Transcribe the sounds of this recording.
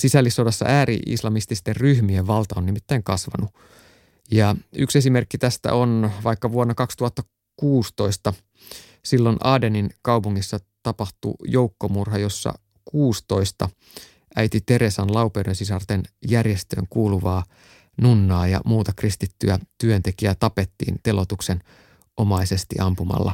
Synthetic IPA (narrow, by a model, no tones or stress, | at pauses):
sisælːisːodɑsːɑ̰ʔæːɾḭʔḭslɑmist̪ist̪erryhmieʋʋɑlt̪ɑonnimit̪ːæiŋkɑsʋɑ̰nu | jɑyksesimerkːit̪æst̪æ̰ʔonʋɑikːɑʋuonːɑkɑkst̪uhɑt̪ːɑ | kuːst̪o̞ist̪ɑ | silːonɑːdeninkɑupuŋːisːɑt̪ɑpɑht̪ṵjoukːomurɦɑjo̞sːɑ̰ | kuːst̪o̞ist̪ɑ | ʔæit̪it̪e̞ɾesɑnlɑupeɾonsisɑrt̪enjærjest̪ø̰ːŋkuːluʋɑː | nunːɑːjɑ̰muːt̪ɑkrist̪it̪ːyæt̪yønt̪ekiæt̪ɑpe̞t̪ːḭːnt̪elot̪uksen | o̞mɑisest̪ḭʔɑmpumɑ̰lːɑ̰